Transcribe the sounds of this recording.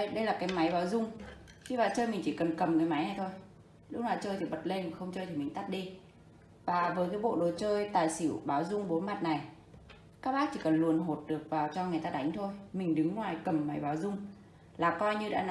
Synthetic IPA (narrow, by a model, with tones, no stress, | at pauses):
ɗə˧jlaː˨˩kaː˨˦jma˨˦jɓaː˨˦wzʊ˧ŋ͡m | t͡ɕʰi˧vaː˨˩t͡ɕəː˧jmï˨˩ŋ̟t͡ɕi˧˩kə˨˩nkə˨˩mŋɨː˨˦jma˨˦jna˧˩jt̪ʰo˧j | lʊ˦˥k̚laː˨˩t͡ɕəː˧jt̪ʰi˨˩ɓə˨˩t̚le˧nva˨˩xə˧wŋ͡mt͡ɕəː˧jt̪ʰi˨˩mï˨˩ŋ̟t̪a˦˥t̚ɗi˧ | vaː˨˩vəː˨˦jkaː˨˦ɓo̰˧˨ɗo˨˦t͡ɕəː˧jt̪aː˨˩jsi˧˩˨wɓaː˨˦wzʊ˧ŋ͡mɓo˨˦ma˨˩t̚na˨˩j | kaː˦˥k̚ɓaː˦˥t͡ɕi˧˩kə˨˩nlu˨˩ənɦo˨˩t̚ɗɨ˨˩ək̚vaː˨˩wt͡ɕɔ˧ŋ˨˩əjt̪aː˧ɗa˨˦jŋ̟t̪ʰo˧jmï˨˩ŋ̟ɗɨ˨˦ŋlwaː˨˩jkə˨˩mːa˨˦jɓaː˨˦wzʊ˧ŋ͡m | laː˨˩kɔ˧jɲɨ˧ɗa̰ː˧˥n˧